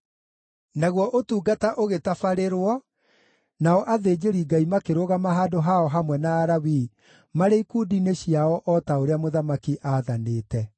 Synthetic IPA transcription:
naɣwɔʔotuːɡataʔoɣetafaɾeɾwɔ | naɔʔaðeːd͡ʒeɾiɡaimakeɾoɣamaɦaːdoɦaɔɦamwɛnaːɾawi | maɾeikuːdineɕiaɔʔɔtaoɾeamoðamakiʔaːðaneːtɛ

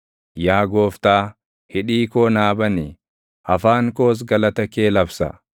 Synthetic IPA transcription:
jaːɡoːft̪aː | hɪᶑiːkoːnaːbɐni | ʔɐfaːŋko̞ːs̬ɡɐlɐt̪ɐke̞ːlɐbsɐ̰

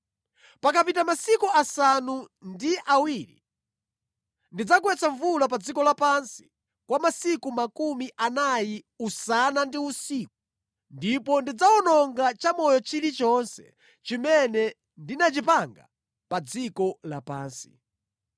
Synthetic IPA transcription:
pakapitamasikuasanu | ndiʔawiːɾḭ | ndid͡zakwɛt͡saɱvulapad͡zikɔlapansi̥ | kwamasikumakumiʔanaji | usanandiusiːk̚u̥ | ndipɔndid͡zaɔnɔŋɡat͡ʃamɔjɔt͡ʃilit͡ʃɔnsɛ̥̰ | t͡ʃimɛnɛ | ndinat͡ʃipaŋɡa̰ | pad͡zikɔla̰pa̰ːnsi̥

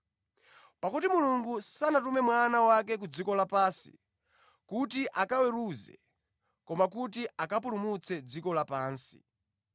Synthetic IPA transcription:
pakutimuluŋɡusanatumɛmwanawak̬ɛk̬ud͡zikɔlapaːsḭ | kutiʔakawɛɾuzɛ̰ | kɔmak̬ut̬iʔakapulumut͡sʰɛd͡zikɔlapaːnsi̥̰

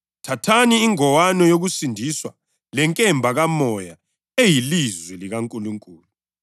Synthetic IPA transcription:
tʰatʰaniːŋɔwanɔjoɣusindʱiswa̰ | lɛŋkʼɛmbʱaɣamɔja | ejilizwɛliɣaŋkʼuluŋkʼuːlu

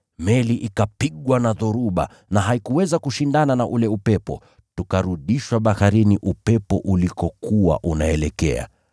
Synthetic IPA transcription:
mɛliʔikapiɠwanaðɔɾuɓa̰ | naɦaikuwɛzakuʃindananaʔulɛupɛpɔ̰ | tukaɾuɗiʃwaɓahaɾiniʔupɛpɔ̰ʔulikɔkuwa̰ʔunaɛlɛkɛ̰a̰

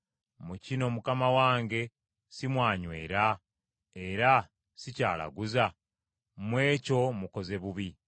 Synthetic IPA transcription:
mucino̞mukamawaːŋɡe̞ | simwaːɲwe̞̰ːɾa | e̞ɾa | sica̰ːla̰ɡuza | mwe̞ːco̞muko̞ze̞βuβi

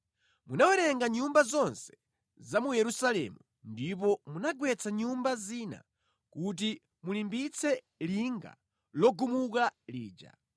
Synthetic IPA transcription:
munawɛɾɛŋɡaɲumbazɔnsɛ̥ | zamujɛɾusalɛ̰mu | ndip̬ɔmunaɡwɛt͡sʰaɲumbaziːna̰ | kut̬i | mulimbit͡sʰɛ | liŋɡa̰ | lɔɡumukaliːd͡ʒa̰

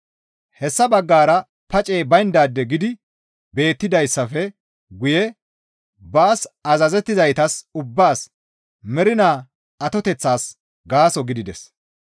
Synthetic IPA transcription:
hɛsːɐbɐɡːaːɾɐ | pɐt͡ʃʼeːbɐjnd̪aːd̪ːɛɡɪd̪ɪ | be̞ːt̪ːɪd̪ɐjsːɐfɛ | ɡʊjɛ | baːsɐzɐzɛt̪ːɪzɐjt̪ɐsʊbːaːs | mɛɾɪnaː | ɐt̪ɔt̪ɛt͡sːaːs | ɡaːsɔɡɪd̪ɪd̪ɛs

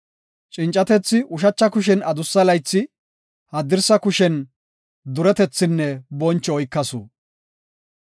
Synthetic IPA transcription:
t͡ʃʼɪnt͡ʃʼːɐt̪ɛt͡sːɪʊʃɐt͡ʃːɐkʊʃ̬ɛnɐd̪ʊsːɐlɐjt͡sːɪ | hɐd̪ɪɾsɐkʊʃɛn | d̪ʊɾɛt̪ɛt͡sːɪnːɛbɔnt͡ʃːɔɔjkːɐsṵː

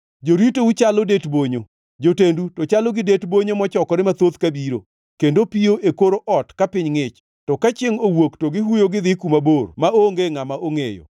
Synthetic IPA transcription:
d͡ʒoɾitout͡ʃalɔdetboɲo | d͡ʒotendutɔt͡ʃalɔɡɪdetboɲomɔt͡ʃɔkɔɾɪmat̪ot̪kabiɾo̰ | kendopioʔekoɾoʔɔtkapɪɲŋɪt͡ʃ | tɔkat͡ʃɪŋowoktoɡɪɦujoɡɪd̪ɪkumabormaoŋɡeŋamaʔoŋejo̰

